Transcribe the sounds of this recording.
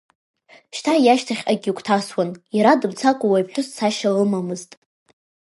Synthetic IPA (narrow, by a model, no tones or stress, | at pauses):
ʃtʰajaʃtʰaχʲaɡʲikʷʰtʰaswanjaɾadɨmt͡sʰakʷʼʊwajpħʷᶣʊssaʃalɨmamɨztʼ